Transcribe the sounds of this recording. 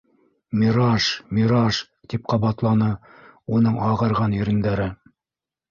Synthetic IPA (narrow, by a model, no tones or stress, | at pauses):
mʲiɾɑʃmʲiɾɑʃ | t̪ip̚qɑβɑt̪lˠɑnɤ | unɤɴɑʁɤ̆ɾʁɑnĭɾɘ̆nd̪æɾɘ